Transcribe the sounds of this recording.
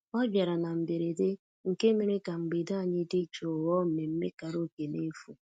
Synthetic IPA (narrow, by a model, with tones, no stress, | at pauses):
ɔ˦bja˨ɾa˨na˨m̩˨be˨ɾe˨de˦ | ŋ̩˨ke˦mi˦ɾi˦ka˨ŋ͡m̩˨ɡ͡bi˨da˦a˨ɲɪ˦di˦t͡ʃo˨wɔ˦m̩˨me˨m̩˦me˦ka˨ɾo˦˨ke˨ne˦fu˨